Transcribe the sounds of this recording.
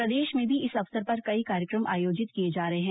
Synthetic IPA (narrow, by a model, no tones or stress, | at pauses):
pɾɐd̪eːʃmẽbʱiɪsɐfsəɾpɐɾkɐikaːɾjəkɾəmʔa̰ːjoːd͡ʒɪt̪kied͡ʒaːɾɐɦeɦɛ̃ː